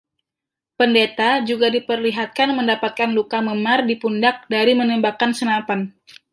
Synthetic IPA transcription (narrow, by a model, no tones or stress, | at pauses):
pəndet̪ad͡ʒuɡadipərliɦat̪̚kanməndapat̪̚kanlukaməmardipundak̚daɾimənəmbakansənapan